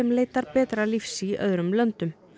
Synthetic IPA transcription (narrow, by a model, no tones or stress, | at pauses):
ɛmleːjt̪aɾpɛːt̪ɾalifsiœ̰ðɾʏmlœnt̪ʏm